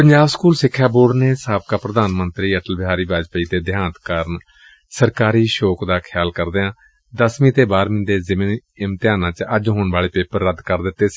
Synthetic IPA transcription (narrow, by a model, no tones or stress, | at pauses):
pəɲd͡ʒaːbskuːlsɪkʰːjaːboːɽneːsaːbkaːpɾəd̪aːnmənt̪ɾiːəʈəlbɪɦaːɾiːbaːd͡ʒpəiːt̪eːd̪ɪɦaːnt̪kəɾən | səɾkaːɾiːʃoːkd̪aːkʰjaːlkəɾd̪eːãː | d̪əsmĩːt̪eːbaːɾmɪ̃nd̪eːzɪminɪmt̪ɪjaːnãːt͡ʃəd͡ʒɦoːɳʋaːleːpeːpəɾːəd̪kəɾd̪ɪt̪ːeːs